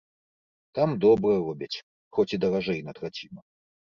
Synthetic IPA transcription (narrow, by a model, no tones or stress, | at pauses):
t̪amd̪ɔbɾɐrɔbʲɐt͡sʲ | xɔt͡sʲid̪ɐɾaʐɛjnɐt̪ɾat͡sʲimɐ